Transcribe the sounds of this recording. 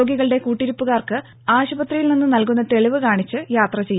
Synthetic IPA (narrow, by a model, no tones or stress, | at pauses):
oːɡiɣɐɭɨɽe̞kuːʈːiɾipːuɣaːrkɨ | aːɕubɐt̪rijilninːɨnɐlkunːɐt̪e̞ɭiʋɨkaːɳit͡ɕːɨjaːt̪rɐt͡ɕe̞jːu